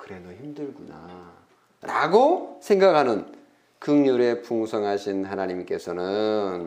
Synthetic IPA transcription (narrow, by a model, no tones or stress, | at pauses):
kɯɾe̞doçimdɯɭɡuna | ɾaɡosʰe̞ŋɡakʰanɯn | kɯŋɲuɾe̞puŋsʰʌŋɦaɕʰinɦanaɲimk͈e̞sʰʌnɯn